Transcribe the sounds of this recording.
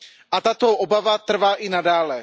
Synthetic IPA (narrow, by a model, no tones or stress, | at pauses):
ʔat̪at̪oʔobavat̪r̩vaːʔɪnadaːlɛ